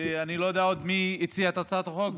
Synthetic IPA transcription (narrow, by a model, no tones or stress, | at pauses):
eanilo̞jod̪eaod̪miit͡siat̪at͡sat̪χo̞k